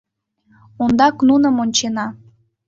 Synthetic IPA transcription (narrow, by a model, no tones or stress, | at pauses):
ond̪ɑknunə̆monʲt͡ɕenɑ